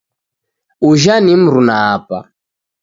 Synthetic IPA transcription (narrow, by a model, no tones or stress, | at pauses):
uʒanim̩ɾunaːpa̰